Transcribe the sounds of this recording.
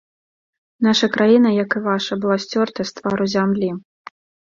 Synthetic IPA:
naʂɐkɾajinɐjɐkɨvaʂɐbɨlˠasʲt͡sʲɔrt̪ɐst̪vaɾuzʲamlʲi

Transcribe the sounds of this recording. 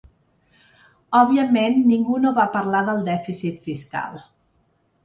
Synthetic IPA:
ɔβiəmenːiŋɡunoβapəɾlaðəlˠd̪ɛfisit̪fiska̰lˠ

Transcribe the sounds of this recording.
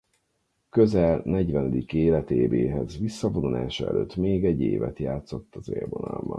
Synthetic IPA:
køzɛlnɛɟʋɛnɛd̪ikeːlɛt̪eːbeːɦɛzʋisːɒvonulaːʃɒɛ̰løːt̪meːɡɛɟːeːvɛt̪jaːt̪so̞t̪ːɒzḛrvonɒlmɒ̰n

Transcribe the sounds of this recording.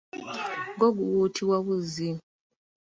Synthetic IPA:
ɡoɡuwutʰiwaβuzi

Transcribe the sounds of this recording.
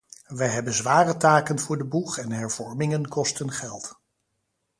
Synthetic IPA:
ʋəjɦɛbənzʋaːrətaːkənvʊːɹdəbuχɛnɦɛɹv̥ɔɹmɪŋənkɔstənχɛlˠt

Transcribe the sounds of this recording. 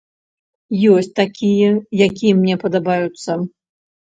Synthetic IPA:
jɔsʲt͡s̚ʲt̪akʲijɛjakʲijɛmnʲɛpɐd̪abajut̪sːɐ

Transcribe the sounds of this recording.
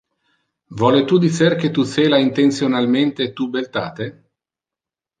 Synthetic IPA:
vɔːlet̪ud̪iserk̟et̪ut̪seːlaint̪ent̪sjonalment̪et̪ubelt̪a̰ːt̪e

